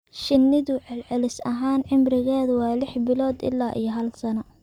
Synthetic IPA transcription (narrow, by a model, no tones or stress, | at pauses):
ʃɪnːɪðʊʕɪlʕɛlɪsɐɦaːnʕɪmrɪɣɛːðwɑːlɪħbɪlɔːd̪ɪ̰lːaːʔḭjɐɦɐlsɐnɐ